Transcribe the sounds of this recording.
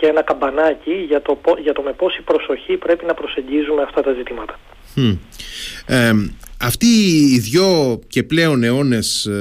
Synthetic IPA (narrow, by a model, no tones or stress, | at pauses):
ceenɐkɐmbɐnɐciʝɐt̪opoʝɐt̪o̞me̞po̞sipɾo̞so̞çipɾe̞pinɐpɾo̞se̞ɲɟizume̞ɐft̪ɐt̪ɐzit̪imɐt̪ɐ̥ | ɐft̪iːðʝo̞ce̞ple̞o̞ne̞o̞ne̞s